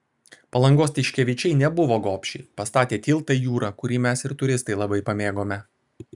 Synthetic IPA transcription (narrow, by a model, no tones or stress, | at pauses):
pɐlˠɐŋɡoːs̬t̪ʲɪʃʲkʲɛʋʲɪt͡ʃʲɛɪnʲɛbʊʋoːɡoːpʲʃʲɛɪpɐst̪ɑːt̪ʲeːt̪ʲiːlˠt̪ɐjuːɾɐkʊɾʲiːmʲɛsɪɾt̪ʊɾʲɪst̪ɐɪlˠɐbɐɪpɐmʲeːɡoːmʲɛ